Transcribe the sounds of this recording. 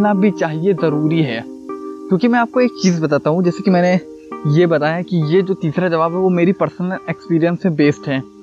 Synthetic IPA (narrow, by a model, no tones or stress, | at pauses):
naːbʱit͡ʃaːɦiezɐɾuːɾiɦɛ̰ː | kjõːkimɛ̃aːp̚koeːk̚t͡ʃiːzbɐt̪aːt̪aɦũd͡ʒɛːsekimɛ̃ːne | jebɐt̪aːjakijed͡ʒoːt̪iːsɾad͡ʒɐʋaːbɦɛʋomeːɾipɐɾsənəlekspiːɾijə̃nsmẽbeːsʈɦɛː